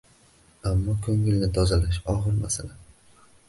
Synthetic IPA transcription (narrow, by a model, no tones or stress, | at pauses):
amːɒkʰɵŋɪlnɪt̪ʰɒzalaʃɒʁɨɾma̰sala